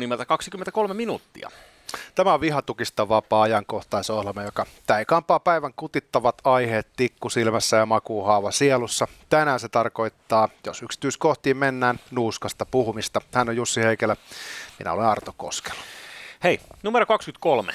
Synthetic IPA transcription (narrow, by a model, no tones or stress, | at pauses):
nimelt̪ækɑksikyment̪ækolmeminuːt̪ːiɑ̰ | t̪æmæoʋiɦɑt̪ukist̪ɑʋɑpɑːɑjɑŋkoht̪ɑisohlɑmɑjokɑt̪æikɑmpˑɑːpæiʋæŋkut̪it̪ːɑʋɑt̪ɑiheːt̪t̪ikːusilmæsːæjɑmɑkuːhɑuʋɑsielusːɑt̪ænæːnset̪ɑrko̞it̪ːɑːjosyksi̥t̪yiskoht̪iːmmenːæːnnuːskɑst̪ɑpuhumist̪ɑhænːojjusːiheikelæmḭnæ̰olenɑrt̪oko̰ske̥l̥ːu̥heinumeɾokɑkskyt̪̚kolmḛ